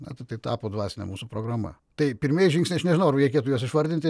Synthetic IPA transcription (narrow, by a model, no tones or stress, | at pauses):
nɐt̪ɐɪt̪ɐɪt̪ɑːpoːd̪ʋɑːsʲɪnʲɛ̰muːsupɾoɡɾɐmɐ̰ | t̪ɐɪpʲɪɾʲmʲeːjʒʲiŋksʲnʲeɪɐʃnʲɛʒʲɪnoʊɐrʋɐɾʲɛɪkʲeɛt̪ujuɔsɪʃʋɐɾʲd̪ʲɪnʲt̪ʲɪ